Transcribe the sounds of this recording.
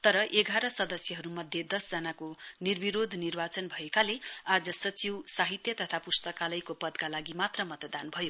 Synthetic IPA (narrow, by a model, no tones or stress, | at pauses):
t̪ʌɾʌʔeɡaɾʌsʌd̪ʌsjʌɦʌɾumʌd̪ʱjʌd̪ʌsd͡zʌnakonirbiɾod̪ʱnirbat͡sʌnbʱʌekalead͡zʌsʌt͡siwsaɦit̪jʌt̪ʌt̪ʰapust̪ʌkalʌjkopʌd̪kalaɡimat̪rʌmʌt̪ʌd̪anbʱʌjo